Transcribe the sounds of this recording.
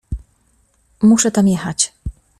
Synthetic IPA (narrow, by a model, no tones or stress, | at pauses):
muʂɛt̪amjɛxat͡ɕ